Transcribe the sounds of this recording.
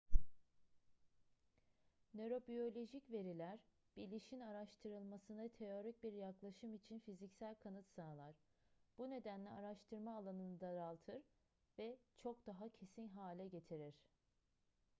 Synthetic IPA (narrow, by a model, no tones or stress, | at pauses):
nø̞ɾo̞bijo̞lʲo̞ʒicve̞ɾilʲæɾ | b̥ilʲiʃinaɾaʃt̪ʰɯɾɯlˠmasɯnat̪ʰe̞o̞ɾic̚biɾjaklˠaʃɯmit͡ʃʰinfizicsælʲkʰanɯt̪saːlˠaɾ̥b̥une̞d̪ænlʲɛaɾaʃt̪ʰɯɾmaːlˠanɯnɯd̪aɾalˠt̪ʰɯɾ | vɛt͡ʃʰo̞kd̪̥aɦacʰe̞sinɦaːlʲɛɟe̞t̪ʰiɾiɾ̥